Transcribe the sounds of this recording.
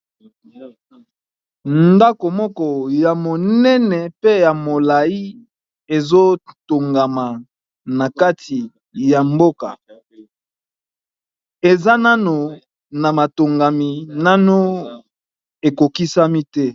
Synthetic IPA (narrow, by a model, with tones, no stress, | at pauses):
nda˦ko˨mɔ˦kɔ˦ja˨mo˨nɛ˦nɛ˨pe˦ja˨mo˨la˨i˦ | e˨zo˦to˨ŋɡa˨ma˨ | na˨ka˦tʰi˨ | ja˨mbo˦ka̰˨ | e˨za˦na˦no˨ | na˨ma˨to˨ŋɡa˨mi˨na˦no˦ | e˨ko˨ki˦sa˦mi˦tɛ˦